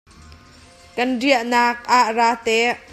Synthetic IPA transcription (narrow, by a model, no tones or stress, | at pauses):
kɐnriəʔnaːk̚ʔaʔraːt̪ɛʔ